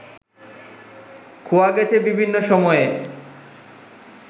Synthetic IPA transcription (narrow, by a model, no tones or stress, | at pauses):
kʰuwaɡɛt͡ɕʰebibʱinːoʃɔmɔe